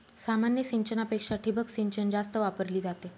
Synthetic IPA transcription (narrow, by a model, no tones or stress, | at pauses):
samanjəsiɲt͡ɕənapekʂaʈʰibəksiɲt͡ɕənd͡zast̪əʋapəɾliːd͡zat̪e